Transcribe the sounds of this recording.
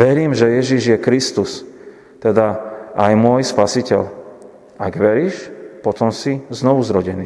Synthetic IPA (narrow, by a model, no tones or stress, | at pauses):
ʋɛɾiːmʒɛjɛʒiʒjɛkɾist̪us | t̪ɛd̪aʔajmʊɔjspasicɛl | aɡʋɛɾiːʃpɔt̪ɔmsiznɔʋuzɾɔɟɛniː